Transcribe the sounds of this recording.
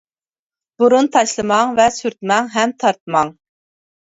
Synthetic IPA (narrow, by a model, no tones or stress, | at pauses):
b̥uɾunt̪ʰɑʃlˠɨmɑŋvɛsyɾt̪mɛŋɦɛmt̪ʰɑɾt̪mɑŋ